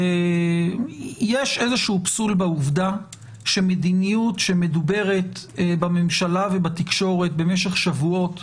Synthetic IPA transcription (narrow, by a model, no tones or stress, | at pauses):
e | jeʃe̞zeʃuupsulbeuvda | ʃemed̪inijutʃe̞me̞dube̞ʁe̞tbamemʃalavebatikʃo̞ʁe̞t̚be̞meʃeχʃavuo̞t